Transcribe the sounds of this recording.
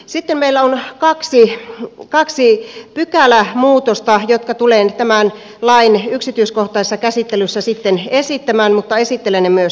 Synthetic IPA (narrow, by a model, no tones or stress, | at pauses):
sit̪ːemmeilːæonkɑksikɑksipykælæmuːt̪ost̪ɑjot̪kɑt̪uleːnt̪æmæn | lɑinyksit̪yiskoht̪ˑɑisesːɑkæsit̪ːelysːæsit̪ːenesit̪ːæmæːnmut̪ːɑesit̪ːelenːemyøs